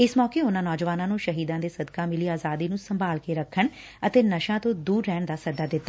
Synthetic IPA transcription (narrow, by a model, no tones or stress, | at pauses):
ɪsmɔːkeːʊnãːnɔːd͡ʒʋaːnãːnũːʃəɦiːd̪ãːd̪eːsəd̪kãːmɪliːaːzaːd̪iːnũːsəmbaːlkeɾəkʰːəɳ | ət̪eːnəʃãːt̪õːd̪uːɾːɛːɳ̃d̪aːsəd̪aːd̪ɪt̪ːaː